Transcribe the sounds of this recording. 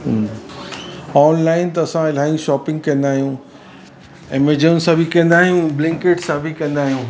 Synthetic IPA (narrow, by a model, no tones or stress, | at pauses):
ɔːnlaːɪnt̪ɐɐsãɪl̤aːɪĩʃɔːpɪ̃ŋɡ̚kɐ̃nd̪aːɦijũ | ɪmed͡ʑənsãbʱikɐ̃n̆d̪aːɦijũblɛ̃ŋkeʈsãbʱikɐ̃nd̪aːɦijũː